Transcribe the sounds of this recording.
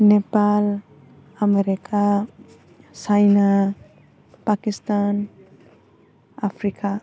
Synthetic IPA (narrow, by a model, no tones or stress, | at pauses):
nepal | ameɾikʰa | t͡ʃajna | pakist̪an | apʰɾika